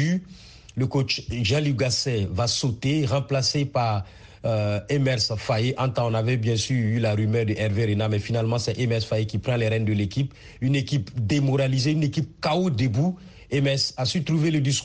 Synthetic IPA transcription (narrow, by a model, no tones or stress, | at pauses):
y | ləkot͡ʃʒaliɡasɛvasot̪eʁɑ̃plasepaʁ | emɛʁsfajeʔɑ̃t̪ɑ̃ɔ̃navɛbjɛ̃syʁylaʁymœːʁd̪əʔɛʁveʁenamɛfinalmɑ̃sɛʔɛmɛʁsfajekipχɑ̃lɛʁɛnd̪əlekip | ynekipd̪emɔʁalizeynekip̚kaod̪ebu | emɛsasyt̪ʁuveləd̪is